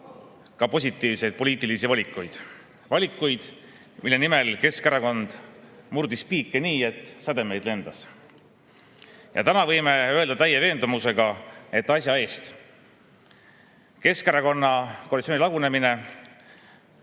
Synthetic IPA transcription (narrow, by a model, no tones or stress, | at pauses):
kɑpo̞s̬ʲit̪ːˑiːvse̞jd̪̚po̞lʲiːt̪ːˑilisivɑlʲikːˑujd̪̥ | vɑlʲikːˑujd̪̥ | milːe̞nime̞lke̞skæɾɑko̞nd̪̥murd̪ispiːkːe̞niːe̞t̪ːˑsɑd̪̥e̞me̞jd̪̥le̞nd̪̥ɑs | jɑ̰t̪ænɑvɤ̞jme̞ø̞e̞ld̪̥ɑt̪æjeve̞ːnd̪̥umuse̞ɡ̥ɑe̞t̪ːˑɑs̬ʲjɑe̞ːst̪ | ke̞skæɾɑko̞nːɑkolit̪soːnilɑɡune̞mine̞